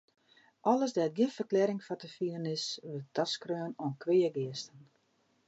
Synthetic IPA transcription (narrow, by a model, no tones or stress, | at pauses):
ʔɔləsdɛt̚ɡɪnfərklɛɾɪŋfɔtəfiənɪsʋərtaskrøːnoənkʰʋeːəɡɪəstən